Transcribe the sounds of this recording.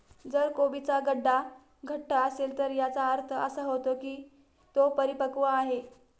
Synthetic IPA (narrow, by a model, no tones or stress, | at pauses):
d͡zəɾkobit͡saɡəɖːa | ɡʱəʈːaəselt̪əɾjat͡saəɾt̪ʰəə̰səɦot̪okiː | t̪opəɾipəkʋaːɦe